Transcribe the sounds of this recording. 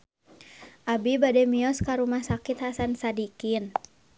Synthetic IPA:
ʔabibadɛmiɔskaɾumahsakit̪hasansadikin

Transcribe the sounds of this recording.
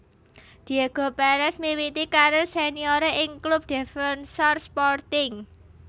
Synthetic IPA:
d̪̥i̤aɡ̥o̤paɾɛsmiwit̪ikaɾosenioɾeʔɪŋklʊb̚d̪̥ɛ̤fɛnsɔrspɔrt̪ɪŋ

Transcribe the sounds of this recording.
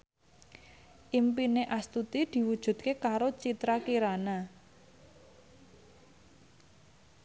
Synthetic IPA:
ʔimpineʔast̪ut̪id̪̥i̤wud̥ʒ̥ṳd̪̥̚kekaɾot͡ʃit̪ɾakiɾana

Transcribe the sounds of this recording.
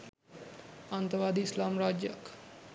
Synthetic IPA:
ant̪ɐʋaːd̪iːslaːmɾaːd͡ʒjək

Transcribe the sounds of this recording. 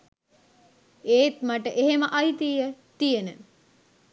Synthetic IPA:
eːt̪maʈəʔeɦeməʔɐjt̪iːjət̪ijenə

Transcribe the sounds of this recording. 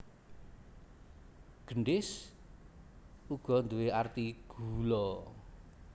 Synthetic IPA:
ɡ̥əɳɖɪs | uɡ̥ɔ̤nd̪uweart̪iɡ̥ulɔ

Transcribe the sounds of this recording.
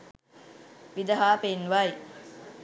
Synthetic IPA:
ʋid̪ɐɦaːpenʋaj

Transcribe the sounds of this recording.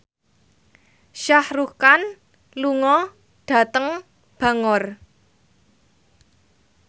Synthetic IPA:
ʃahrukan | luŋɔ | ɖ̥a̤t̪əŋ | b̥a̤ŋɔr

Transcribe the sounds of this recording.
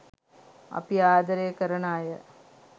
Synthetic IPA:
ɐ̰piaːd̪ɐɾekəɾənaːjə

